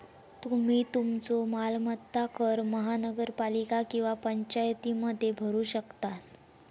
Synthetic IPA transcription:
t̪um̤iːt̪umt͡somalmət̪ːakəɾməɦanəɡəɾpalikakĩw̃ʋapəɲt͡ɕajt̪iməd̪ʱːjebʱəɾuːɕəkt̪as

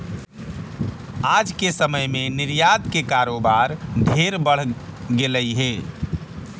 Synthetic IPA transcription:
ad͡ʒkesəməjmeniɾjad̪kekaɾobaɾd̪ʱeɾbəɽ̤ɡeləjɦe

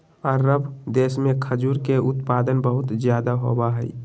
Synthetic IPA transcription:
ɔːɾːəbd̪eːsmẽkʰəd͡ʒuːɾkeʔʊt̪paːd̪ənbəɦʊt̪zjaːd̪aɦo̰baɦɛḭ

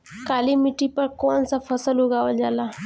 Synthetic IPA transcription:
kaːlimiʈipɐɾkoːnsafʰəsəlʊɡaːʋəld͡ʒaːlaː

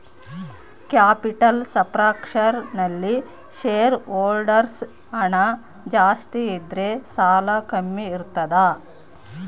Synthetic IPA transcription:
kjaːpiʈɐlsɐpɾaːkʂɐɾnɐlːi | ʃeːɾoːlɖɐɾs | ɐɳɐ | d͡ʒaːst̪iːd̪ɾesaːlɐkɐmːiːɾt̪ːɐd̪a

